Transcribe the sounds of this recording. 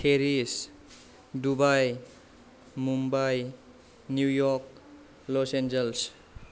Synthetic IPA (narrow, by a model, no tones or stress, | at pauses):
tʰeɾis | dubaj | mumbaj | njujɔɾk̚ | lɔsend͡ʒels